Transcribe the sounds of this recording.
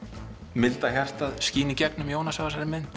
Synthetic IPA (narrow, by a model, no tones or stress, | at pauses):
mɪlt̪açar̥t̪aðsciːnɪcɛknʏmjoːwnasavasaɾɪmɪnt̪